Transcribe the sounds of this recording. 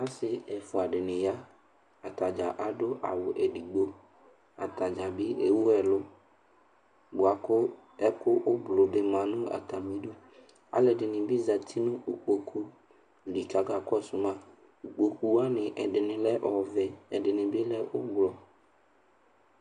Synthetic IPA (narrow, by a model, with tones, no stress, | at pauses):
a˦sɪ˦ɛ˨fʊ˨a˨ɖɪ˨nɪ̃˨ja˦ | a˨t̪a˨d͡ʒa˨ʔa˨dʊ˦ʔa̰˨wʊ˨ʔɛ˨di˨ɡ͡bo˦ | a˨t̪a˨d͡ʒa˨bɪ˦e˨wu˦ɛ˨lʊ˦ | bʊ˨a˨kʊ˦ | ɛ˦kʊ˦ʔʊ˦blʊ˨dɪ˨mã˨nʊ̃˦a̰˨t̪a˨mĩ˨˦dʊ˦ | a̰˨lɛ˨dɪ˨nɪ̃˨bɪ˦za˨t̪ʰi˦nʊ̃˦ʊ˨k͡po˨kʰu˦ | li˨ka˨ɡa˨kɔ˦˨sʊ˨mã˦˨ | k͡po˨ku˨a˦nɪ̃˨ʔɛ˨dɪ˨nɪ̃˨lɛ˦ʔɔ˨vɛ˨ɛ˨dɪ˨nɪ̃˨bɪ˦lɛ˦ʔʊ˦ɡ͡blɔ˨